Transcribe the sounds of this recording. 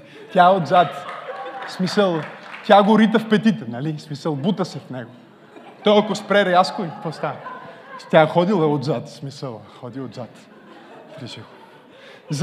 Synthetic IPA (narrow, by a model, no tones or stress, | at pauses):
t̪jaod̪zat̪ | smisəlˠt̪ʲjaɡoɾit̪əfpɛt̪it̪ɛnɐlismisəlˠbut̪əsɛfnɛɡo | t̪ɔjɐkospɾɛɾɛaskoit̪ɔst̪anst̪ʲaxɔd̪ilˠɐod̪zat̪smisəlˠxɔd̪iod̪zat̪ | fɾiʃiɣo | z